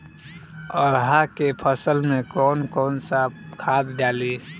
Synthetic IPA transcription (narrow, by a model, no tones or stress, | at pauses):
ɔɾɦakepʰəsəlmẽkɔːnkɔːnsakʰad̪ɖaːli